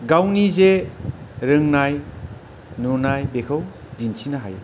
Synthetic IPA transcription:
ɡawnize | ɾɯŋnaj | nunajbekʰaw | dinsʰinaɦaj

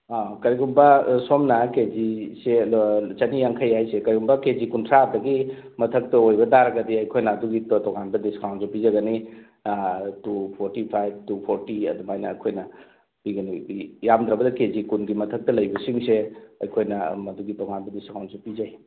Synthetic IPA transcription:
akɐɾiɡumbɐsomnɐked͡ʒiset͡ʃɐnijaŋkʰɐjajsekɐɾiɡumbɐkezikuntʰɾap̚dɐɡi | mɐtʰɐk̚tɐojbɐdaɾɐɡɐdiɐjkʰojnɐːduɡittɔŋanbɐdiskawntsɔpizɐɡɐni | tupʰoɾtipʰajb̚tupʰoɾtiɐ̰dumajnɐːjkʰojnɐ | piɡɐniijamd̪ɾɐbɐdɐkezikunɡimɐtʰɐk̚tɐlɐjbɐsiŋseɐ̰jkʰojnɐmɐduɡitɔŋanbɐdiskawnsepid͡ʒaj

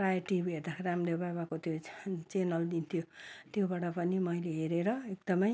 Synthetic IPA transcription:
prajʌʈibed̪akʰeɾamɾebaβakot̪jot͡senʌld̪int̪ʰijot̪jobaʈʌpʌnimʌjleɦeɾeɾʌek̚d̪ʌmʌj

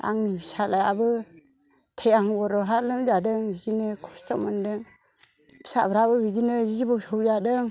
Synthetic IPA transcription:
a̰ŋisalajabɯ | tʰejaŋɡɔɾɔɦalɯmd͡ʒadɯŋizinɯkʰɔstamandɯ | bi̥sa̰bɾabɯbid͡ʒinɯzizibɔsɔwd͡ʒadɯŋ

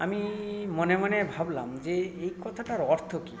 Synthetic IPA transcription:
amimɔnɛmanɛbʱabla̰mzeejkɔt̪ʰaʈaɹɔɾt̪ʰɔki

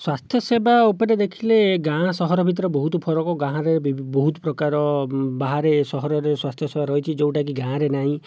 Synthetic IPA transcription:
swast̪ʰjɔsebaupɔɾed̪ekʰileɡãsɔɦɔɾɔbʱit̪̬ɔɾɔbɔɦut̪ɔpʰɔɾɔkɔɡãɦãɾebibɔɦut̪ɔpɾɔkaɾɔbaɦaɾesɔɦɔɾɔɾeswast̪ʰjɔsebaɾɔɦjt͡ʃʰid͡ʒew̃ʈak̬iɡãɾenaɦĩ

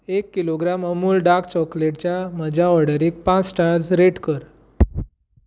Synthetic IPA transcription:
ekːiloɡɾaməmuːlɖakt͡ɕɔkleʈt͡ɕjaməd͡ʑʱaɔɽəɾik̚pãt͡ssʈaɾd͡zɾeʈkəɾ

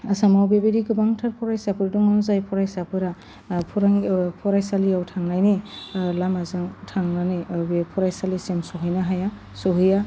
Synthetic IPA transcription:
asamawbebeɾiɡɯbaŋtʰaɾpʰɔɾajsapɯɾdɔŋanzajpʰɔɾajsapɯɾa | pʰɾaŋpʰɔɾajsalijawtʰaŋnajnilamazaŋtʰaŋnanibepʰɔɾajsalisemsɔɦɯjnaɦaja | sɔɦɯja

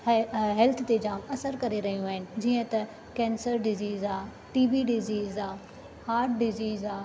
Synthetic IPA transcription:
ɦɛlt̪ʰt̪ed͡ʑaːmɐsəɾkɐɾeɾɐɦijũaːɦɪnɪ̆d͡ʑiːə̃t̪ɐ | kɛ̃ːnsəɾɖɪziːzaː | ʈiːʋiɖɪziːzaː | haːɾʈɖɪziːzaː

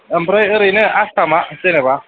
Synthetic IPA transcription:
əmbɾajəɾineʔastamaseneba

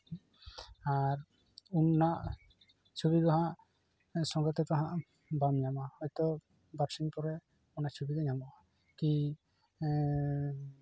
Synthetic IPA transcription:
aɾ | unːaʔ | t͡ʃʰubiɡɔɦãʔ | sɔŋɡɔt̪ɛt̪aɦãʔ | bamɲamahɔjt̪ɔ | baksiŋpɔɾɛ | unat͡ʃʰubid̪ɛɲamɔ | ki

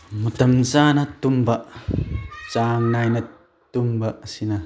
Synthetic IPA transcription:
mut̪ɐmzaːnat̪umbaʔ | t͡saŋnajna | t̪umbaʔsina

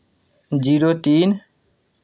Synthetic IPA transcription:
d͡ʑiɾot̪in

